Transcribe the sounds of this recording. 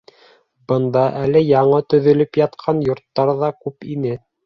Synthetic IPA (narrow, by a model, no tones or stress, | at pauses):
bɤ̆nd̪ɑʔælɘjɑɴɤt̪ɵ̆ðɵ̆lɵpjɑt̪qʰɑnjŏɾt̪ːɑɾðɑkʉpinɘ